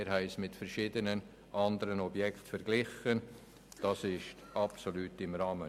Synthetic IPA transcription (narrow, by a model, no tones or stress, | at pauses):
ɪɾɦɛɪsmɪtfɛɾʃɪːdənən | ʔɑndəɾənɔbjɛktfɛɾɡ̥lɪχən | d̥ɑsɪʃtʔɑpsolyːtɪmɾɑːmə